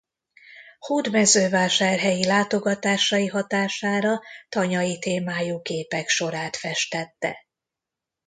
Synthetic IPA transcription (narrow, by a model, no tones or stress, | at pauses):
huːd̪mɛzøːvaːʃaːrɦɛjilaːt̪o̞ɡɒt̪aːʃɒjiɦɒt̪aːʃaːɾɒt̪ɒɲɒjit̪eːmaːjuɡeːpɛkʃo̞ɾaːt̪fɛʃt̪ɛt̪ːɛ̰